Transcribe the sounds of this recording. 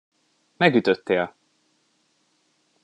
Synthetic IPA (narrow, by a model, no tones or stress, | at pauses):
mɛɡyt̪øt̪ːeːl